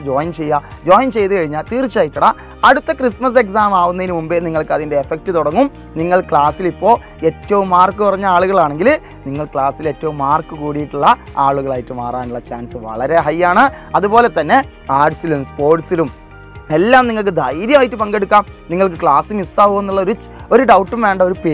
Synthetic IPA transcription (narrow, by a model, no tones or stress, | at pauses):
d͡ʑoːjmt͡ɕe̞jːad͡ʑoːjɐnt͡ɕe̞jt̪ukɐɻiɲːaːlt̪iːrt͡ɕːaːjiʈːuɽɐ | ɐɽut̪ːɐkrismɐs̬e̞ks̬aːmaːʋunɐðinɨmumbɨniŋːɐɭkɨɐðinde̞ːfek̚ʈɨt̪uɽɐŋːum | niŋːɐɭkɭaːsilipːo̞ː | e̞ːtːɐʋumːaːrkːɨpurɐɲːɐaːɭuɣɐɭaːɳe̞ŋɡil | niŋːɐɭkɭaːsile̞ːtːɐʋumːaːrkɨkuːɽijiʈːuɭːɐ | aːɭuɣɐɭaːjiʈːɨmaːraːnuɭːɐt͡ɕaːnsɨʋɐ̰ɭɐɾe̞ɦɐjːaːɳɨɐðupo̞ːle̞t̪ɐnːe̞ | aːɖsilumspo̞ːrʈsilum | e̞lːaːmniŋːɐɭk̬ɨd̪ʱɐjɾjɐmaːjiʈːɨpɐŋɡeɽukːaːmniŋːɐɭkɨkɭaːsɨmisːaːʋuʋunːuɭːɐo̞ɾu | o̞ɾuɖɐwʈːumʋe̞ːɳɖɐo̞ɾupeː